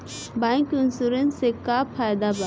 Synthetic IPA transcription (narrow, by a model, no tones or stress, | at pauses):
bãŋkunsuɾənsekapʰajd̪aba